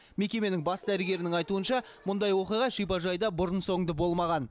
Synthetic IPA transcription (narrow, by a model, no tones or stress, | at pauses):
me̞kʲe̞me̞nɪŋbɑsd̪æɾɪɡʲe̞ɾɪnɪŋɑjt̪uənʃɑ | mʊnd̪ɑjwo̞qijʁɑʃijpɑʒɑjd̪ɑbʊɾənso̞ŋd̪əbo̞lˠmɑʁɑn